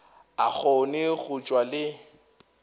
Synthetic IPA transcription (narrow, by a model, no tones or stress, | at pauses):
a̰k͡xʰonɪɣut͡ʃʼwalɪ